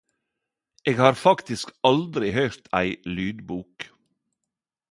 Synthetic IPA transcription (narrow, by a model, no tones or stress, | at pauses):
eːɡhɑːɾfɑkt̪ɪskɑld̪ɾɪhœʏɾt̪ʰæɪlyːd̪buːk